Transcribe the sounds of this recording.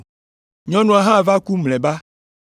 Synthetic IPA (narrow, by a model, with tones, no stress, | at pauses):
ɲɔ̃˦nũ˨a˨ɦã˦˨va˦ku˦mlɛ̃˨ba˦